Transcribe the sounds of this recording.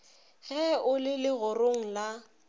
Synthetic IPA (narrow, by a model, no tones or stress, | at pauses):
ɣɛʊlɪlɪɣʊroŋ̩la